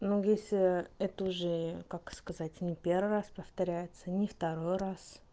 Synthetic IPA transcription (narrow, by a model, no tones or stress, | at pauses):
nujesʲlʲɪɛt̪əʊʐɛkakskɐzatʲnʲɪpʲervɨraspəft̪ɐɾʲæjɪt̪sənʲɪft̪ɐɾojras